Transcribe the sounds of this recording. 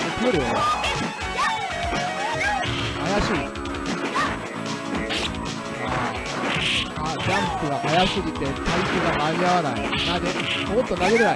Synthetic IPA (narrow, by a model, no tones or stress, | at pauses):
okʰɯɾeo | majaɕi | ma | ad͡ʑampʰɯɡakajasɯɡit̪e̞t̪aikʰɯɡamajawanajonademot̪ːonaɡeɾena